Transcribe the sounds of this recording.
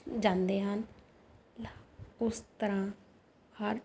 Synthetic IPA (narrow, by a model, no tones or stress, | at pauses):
d͡ʒãːnd̪eːɦən | ʊst̪əɾãː | həɾ